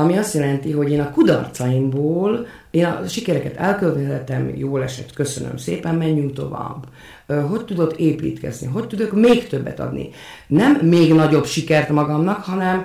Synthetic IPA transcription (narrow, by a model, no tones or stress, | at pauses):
ɒmiɒst̪jɛlɛnt̪iɦo̞ɟeːnɒkud̪ɒ̰rt̪sɒjimboːl | eːnɒ̰ʃikɛɾɛkɛt̪ɛlkølt̪t̪ɛt̪ɛmjoːlɛʃɛ̰t̪kø̞sø̰nø̰msḛːpɛmːɛɲːyŋt̪o̞va̰ːb | ɦo̞ct̪ud̪o̞keːpḭːt̪kɛ̰znḭɦo̞ct̪ud̪ø̞kmeːkt̪ø̞bːɛ̰t̪ɒ̰d̪nḭ | nɛmːeːɡnɒɟo̞bʃikɛrt̪mɒɡɒmnɒkhɒnɛm